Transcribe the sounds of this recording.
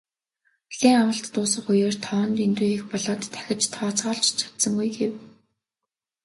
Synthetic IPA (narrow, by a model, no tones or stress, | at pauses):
ɮeːŋawə̆ɬt̪ːʊːsə̆χujeːr̥t̪ʰɔːnt̪ent̪uːiːxpɔɮɔːt̪ːʰæ̥xʲɪ̆t͡ɕt̪ʰɔːt͡sʁɔːɬt͡ɕt͡ɕʰḁt̪sɞ̆ŋɡujɡew